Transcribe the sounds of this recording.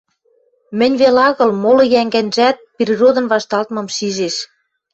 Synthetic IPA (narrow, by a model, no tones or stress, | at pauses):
mɘ̆nʲβelɑɣɤ̆lmolɤ̆jæŋɡænʒæt̪̚prʲirod̪ɤ̆nβɑʃt̪ɑlt̪mɤ̆mʃiʒeʃ